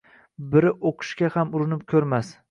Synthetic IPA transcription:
bɪɾɪʔoqʰɨ̥ʃkʲahamʊɾɪnɪp̚kʲʰɵɾmas

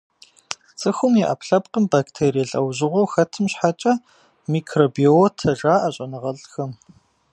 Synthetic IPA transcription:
t͡sʼɨxʷʊmjɛʔa̰pɬɐpqəmbaːktʰeːɾijɛɬʼɐwʑɪʁʷowxɐtʰɨmɕħat͡ʃʼɐ | miːkʰroːbiotʰɐʒaːʔaɕʼɐnɨʁɐɮxɐm

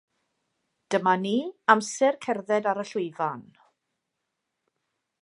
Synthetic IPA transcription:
d̥əmaniːamsɛrkʰɛrðɛdaɾəɬʊɨvan

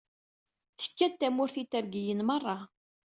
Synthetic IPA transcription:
θə̥kːæt̪ːæmʊɾθit̪ːəɾɡijənmərˤːɑ

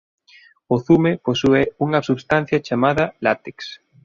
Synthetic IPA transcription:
ʊθumeposuɛuŋɐsuβst̪an̟θjat͡ʃamaðɐlat̪eks

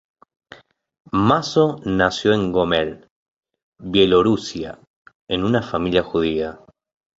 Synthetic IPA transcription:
masonasjo̞e̞ŋɡomel | βje̞lo̞ɾusja̰ | enunafamiljaxuð̞ia

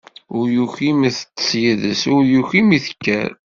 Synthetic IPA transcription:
ʊɾjuçimæθə̥t͡sːə̥sjiðəsʊɾjuçimiθə̥kːæ̰ɾ

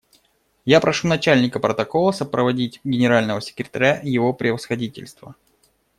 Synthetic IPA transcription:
japɾɐʂunɐt͡ɕælʲnʲɪkəpɾət̪ɐkolˠəsəpɾəvɐdʲitʲɡʲɪnʲɪɾalʲnəvəsʲɪ̥kɾʲɪt̪ɐɾʲajɪvopɾʲɪvəsxɐdʲitʲɪ̰lʲst̪və̰

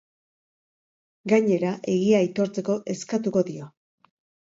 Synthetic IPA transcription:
ɡaɲe̞ɾaʔe̞ɣ̞iajt̪o̞ɾt͡se̞ko̞ʔe̞skat̪uko̞ðio̞

